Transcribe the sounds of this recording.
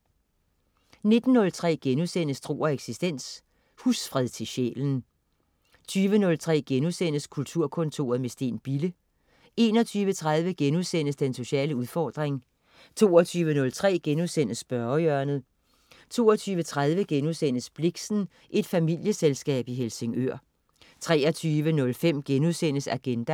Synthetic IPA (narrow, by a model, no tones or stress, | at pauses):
ne̝d̥n̩ːɔ̽lt͡sʰʁɛ̰ːɡ̥enusen̰əsd̥ʁo̝̰ːɐeɡ̥sisd̥en̰s | husfʁɛðˠt͡sʰe̝ɕḛːln̩ | t͡sʰyːʋənɔ̽lt͡sʰʁɛ̰ːɡ̥enusen̰əskʰult͡sʰuɐ̰kʰɔ̽nt͡sʰo̝̰ːɐðˠmesd̥e̝̰ːnb̥ilə | e̝ːnɒ̽t͡sʰyːʋət͡sʰʁäð̞ˠʋəɡ̥enuðˠsen̰əsd̥enso̝ɕɛ̰ːləuðˠfɒːd̥ʁeŋ | t͡sʰo̝ːɐt͡sʰyːʋənɔ̽lt͡sʰʁɛ̰ːɡ̥enuðˠsen̰əsb̥ɶɐjœɐnð̩ˠ | t͡sʰo̝̰ːɒt͡sʰyːʋət͡sʰʁað̞ˠʋəɡ̥enuðˠsen̰əsb̥leɡ̥sn̩ | ʔe̝d̥fæmil̰jəselsɡ̥ɛ̰ːb̥iɦelse̝ŋøɐ̰ | t͡sʰʁɛːɐt͡sʰyːʋənɔ̽lfem̰ɡ̥enuðˠsenəsæɡ̥end̥æ